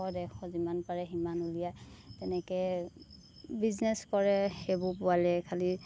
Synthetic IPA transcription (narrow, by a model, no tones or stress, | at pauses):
ɔdɛxɔzimanpaɹɛɦimanulijajtɛnɛkɛ | biznɛskɔɹɛhebʊpʊalɛkʰali